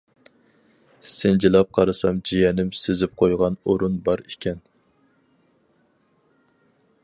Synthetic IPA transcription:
sɪnd͡ʒilˠɑp̚qʰɑɾɨsɑmd͡ʒijɛnɪmsezɪp̚qʰojʁɑnoɾunbɑɾikʲʰɛn

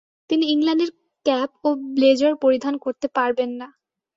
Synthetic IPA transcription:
t̪iniiŋlanɖeɾ | kɛpobled͡ʑaɾpoɾid̪ʱankoɾt̪epaɾbenːa

